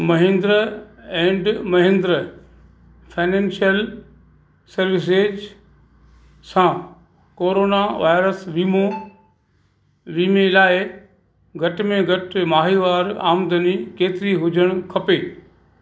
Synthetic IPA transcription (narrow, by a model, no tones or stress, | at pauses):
mɐɦẽːnd̪ɾɛ̃ːɳɖmɐɦẽnd̪ɾ | fʰaːɪnẽːnʃijəl | sɐɾʋɪs̬eːd͡ʑ | sã | koːɾoːnaʋaːɪɾəsʋiːmo | ʋiːmelaːɪ | ɡʱɐʈmẽɡʱɐʈmaːɦiʋaːɾa̰ːmd̪ənikeːt̪ɪɾiɦʊd͡ʑʱəɽ̃kʰɐpeː